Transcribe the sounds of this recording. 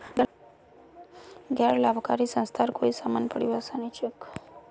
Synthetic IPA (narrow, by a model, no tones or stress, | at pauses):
ɡɛɾlabkaɾisənst̪ʰaɾkoisamanpəɽjuasanit͡ʃək